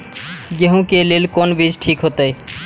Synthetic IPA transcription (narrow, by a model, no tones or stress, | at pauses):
ɡeɦũkelelkonbid͡ʑʈʰikɦot̪ej